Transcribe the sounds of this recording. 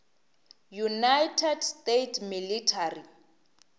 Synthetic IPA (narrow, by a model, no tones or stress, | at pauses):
junajtʰɛdstetʰmilitʰari